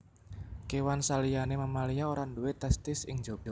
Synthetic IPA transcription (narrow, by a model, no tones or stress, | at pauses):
kewansalijanemamalijaoɾanduet̪ɛst̪ɪsɪ̰ŋd͡ʒob̥ɔ